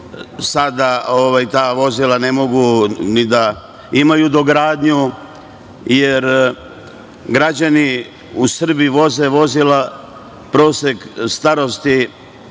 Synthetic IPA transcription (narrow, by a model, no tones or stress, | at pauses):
sad̪ao̞ʋajt̪aːʋo̞zilane̞mo̞ɡunid̪a | imajud̪o̞ɡɾaːd̪ɲu | jeɾ | ɡɾad͡ʑani | usr̩biʋo̞zeʋo̞zila | pɾo̞ːsekst̪aɾo̞st̪i